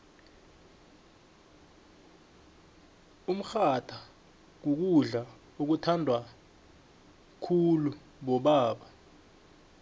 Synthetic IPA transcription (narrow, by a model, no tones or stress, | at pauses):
um̩xatʰa | k̬uk̬uɮa | uk̬utʰandʱwa | kʰulu | ɓɔɓaːɓa